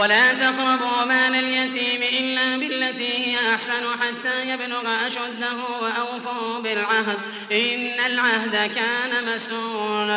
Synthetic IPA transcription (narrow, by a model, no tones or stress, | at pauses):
walaːt̪aqɾɑbɣɑmaːnaljat̪iːmɪʔɪlːaːbɪlːat̪iːhɪjaʔaħsanʊħat̪ːaːjabnʊɣʔaʃad̪ːaɦʊwaʔawfʊɾbɪlʕaɦd̪ | ʔɪɪnːalʕahd̪akaːnamasuːn